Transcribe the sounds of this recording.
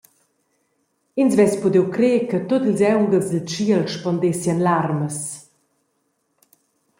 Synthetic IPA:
insvɛspud̪ewkɾeːkət̪otlzɛwŋɡəlzd̪əlt͡ʃiəlʃpɔndesjanlaɾməs

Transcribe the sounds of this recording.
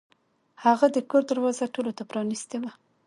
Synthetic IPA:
haɣad̪əkoɾd̪əɾwɑzaʈolot̪apɾɑnist̪ewa

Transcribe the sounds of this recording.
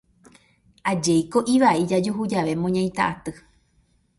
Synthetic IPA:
ad͡ʒejko̞ʔiʋaʔid͡ʒad͡ʒuɦud͡ʒaʋe̞mõɲãj̃t̪a̰ʔat̪ɨ

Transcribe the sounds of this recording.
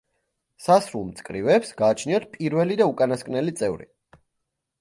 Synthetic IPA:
sasɾulˠmt̪sʼkʼɾivɛːpsɡaːt͡ʃʰniɔt̪̚ʰpʼiɾvɛlid̪aukʼanaskʼnɛlit̪sʼɛvɾḭ

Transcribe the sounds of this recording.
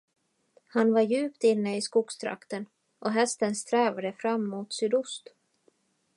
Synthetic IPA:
hanvaɾjʉ̟ːpt̪ɪnːəɪskuːɡst̪ʰɾa̰kt̪ən | ʔɔɦɛst̪ənst̪ɾɛːvad̪əfɾamːuːt̪sʏd̪ʊst̪

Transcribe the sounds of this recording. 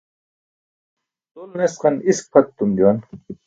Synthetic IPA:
t̪ulnesqɐnisk̚pʰɐt̪ːumd̪jon

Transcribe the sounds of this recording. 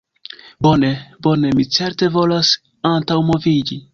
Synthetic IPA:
bo̞nebo̞ne̞mit͡se̞ɾte̞vo̞las | antawmo̞vid͡ʒi

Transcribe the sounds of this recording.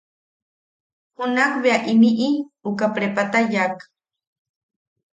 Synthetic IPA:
hunakbeaʔimiʔiukapɾepat̪ajak

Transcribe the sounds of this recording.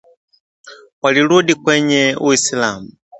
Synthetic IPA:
waliludikwɛɲɛuisilaːmu

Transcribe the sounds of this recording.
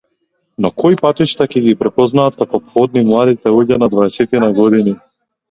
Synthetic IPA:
nɔkɔjpat̪it͡ʃt̪acɛɡipɾɛpɔznaːt̪̚kakɔpxɔd̪̚nimlˠad̪it̪ɛuɟanad̪vaɛsɛt̪inaɡɔd̪ini

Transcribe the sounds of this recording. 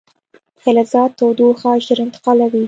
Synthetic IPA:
xalazɑt̪ːowd̪uxɑʃd̪əɾɪnt̪ɪ̥qɑlawi

